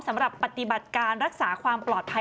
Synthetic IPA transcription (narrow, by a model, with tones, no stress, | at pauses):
msa˩˦mɾa˨˩pːa˨˩t̪i˨˩ba˨˩t̪̚kaː˧nɾa˦˥k̚saː˩˦kʰwaː˧mplɔː˨˩t̪̚pʰa˧